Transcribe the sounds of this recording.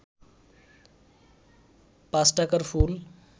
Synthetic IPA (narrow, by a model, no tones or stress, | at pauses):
pasʈakəɾpʰul